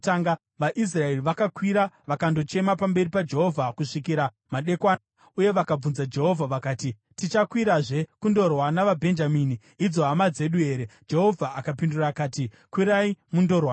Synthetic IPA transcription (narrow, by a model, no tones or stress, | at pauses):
taŋɡa | ʋaʔis̬rae̞riʋakakwiɾaʋakando̞t͡ʃe̞mapambe̞ripad͡ʒe̞ɦo̞vʱakuʂikiɾa | maɗe̞kwaa | uje̞ʋakab͡vunzad͡ʒe̞ɦo̞vʱaʋakaːti | tit͡ʃakwiɾaʐe̞kundo̞rwanaʋabʱe̞nd͡ʒamiːniːd͡zo̞ɦamad͡ze̞ɗue̞ːɾe̞d͡ʒe̞ɦo̞vʱaakapinduraːkaːti | kwiɾaimundo̞rwa